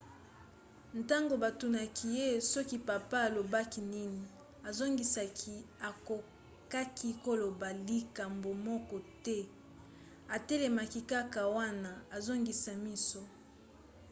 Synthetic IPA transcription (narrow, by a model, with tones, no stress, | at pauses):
nta˦ŋɡo˨ba˨tu˨na˨kʰi˨je˦sɔ˦ki˦pa˨pa˦a˨lo˨ba˦ki˨ni˦ni˨ | a˨zo˦ŋɡi˨sa˨kʰi˨a˨ko˨ | ka˦kʰi˦ko˦lo˨ba˨li˦ka˨mbo˨mɔ˦kɔ˦tɛ˦ | a˨te˦le˨ma˨ki˨ka˦ka˨wa˦na˨a˨zo˦ŋɡi˨sa˨mi˦so˦